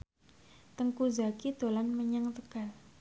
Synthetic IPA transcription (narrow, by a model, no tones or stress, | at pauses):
t̪əŋkuzakid̪o̤lanməɲəŋt̪əkal